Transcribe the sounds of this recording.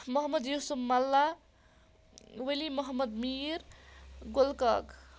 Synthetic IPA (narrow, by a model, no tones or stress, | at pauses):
mʌɦmːʌd̪jusumːalːa | welimʌɦəmːʌd̪miɾɡolkʌk